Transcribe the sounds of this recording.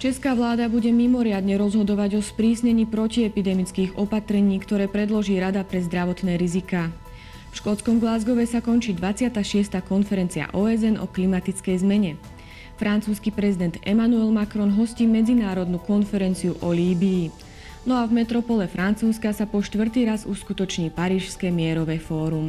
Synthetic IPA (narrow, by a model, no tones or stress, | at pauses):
t͡ʃɛskaːʋlaːd̪abuɟɛmimɔɾɪad̪ɲɛɾɔzɦɔd̪ɔʋaɟɔspɾiːsɲɛɲiːpɾɔciɛpid̪ɛmit͡skiːɣɔpat̪ɾɛɲiːkt̪ɔɾɛːpɾɛd̪lɔʒiːɾad̪apɾɛzd̪ɾaʋɔt̪nɛːɾizikaː | fʃkɔt͡skɔmɡlazɡɔʋɛsakɔnt͡ʃiːd̪ʋat͡sɪat̪aːʃɪɛst̪aːkɔnfɛɾɛnt͡sia̰ʔɔːɛzɛnɔ̰klimat̪it͡skɛjzmɛɲɛ | fɾant͡suːskipɾɛzid̪ɛnd̪ɛmanuɛlmakɾɔnɦɔsciːmɛd͡zinaːɾɔd̪nukɔnfɛɾɛnt͡siuʔɔliːbiː | nɔavmɛt̪ɾɔpɔlɛfɾant͡suːskasapɔʃt̪ʋr̩t̪iːɾazuskut̪ɔt͡ʃɲiːpaɾiːʃskɛmɪɛɾɔʋɛfɔːɾum